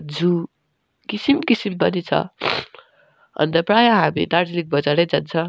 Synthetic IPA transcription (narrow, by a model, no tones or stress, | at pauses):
d͡zu | kisimkisimbʌnit͡sʰʌ̰ | ʌ̰nt̪ʌprajaɦamḭt̪ard͡zilik̚bʌd͡zaɾʌjd͡zʌnt͡sʰʌ